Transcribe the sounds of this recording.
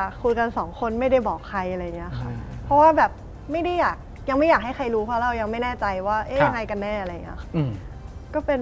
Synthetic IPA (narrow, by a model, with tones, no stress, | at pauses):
a˨˩kʰu˧jka˧nsɔː˩˦ŋkʰo˧nma˥˩jda˥˩jbɔː˨˩kʰːa˧jʔa˧ɾa˧jŋi˦˥ɐ˧kxʰa˥˩pʰɔ˦˥waː˥˩bɛː˨˩p̚ | ma˥˩jda˥˩jaː˨˩k̚ | ja˧ŋma˥˩jaː˨˩k̚ha˥˩jxʰa˧jɾuː˦˥pʰaː˦˥˩ɾa˧˩wja˧ŋma˥˩jnɛː˥˩t͡ɕa˧jwaː˥˩ʔe˦˥˩a˧ŋa˧jka˧nːɛː˥˩a˧ɾa˧˨ŋi˦˥ɐ˧xḁ˥˩˧ | kɔː˥˩pe˧n